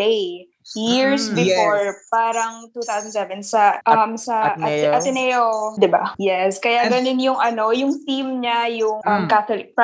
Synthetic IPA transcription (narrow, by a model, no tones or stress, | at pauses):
lej | jiɹsbɪoɹpaːɾɐŋt̪uːθawsɐnd̪sɛvɛnsɐʔɐmsɐɐɐt̪ɪnɛjod̪ɪba̰jɛskɐjaɡɐnonjʊŋʔɐno̞jʊŋt̪imɲajʊŋʔɐmkat̪olɪk̚p